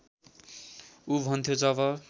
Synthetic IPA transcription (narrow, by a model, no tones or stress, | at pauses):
ubʱʌnt̪ʰjod͡zʌbʌ